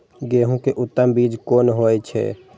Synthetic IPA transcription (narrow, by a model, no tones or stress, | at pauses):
ɡeːɦũkeʔʊt̪ːəmbiːd͡ʒkoːnɦoːet͡ʃʰɛ̰ː